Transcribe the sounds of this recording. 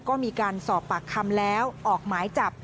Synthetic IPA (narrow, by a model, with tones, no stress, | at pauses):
kɔː˥˩miː˧kaː˧nsɔː˨˩pːa˨˩kʰːa˧mlɛː˦˥wʔɔː˨˩k̚maː˩˦jt͡ɕa˨˩p̚